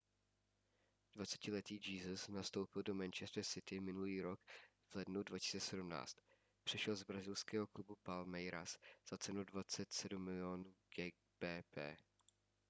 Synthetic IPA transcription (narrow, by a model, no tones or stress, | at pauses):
d̥vat͡sɛ̥cɪlɛt̪iːd͡ʒiːzəsnast̪o̞wpɪldo̞mɛnt͡ʃɛst̪ɾɛsɪt̪ɪmɪnuliːɾo̞k | vlɛdnudvacɪ̥si̥t͡sɛsɛdumna̰ːt͡st̪ | pr̝̥ɛʃɛlzbɾazɪlskɛːɦoklubupalmɛjɾasz̥at͡sɛnudvat͡sɛt̪sɛdumːɪlɪonuɡɛ | b̥ɛːpɛː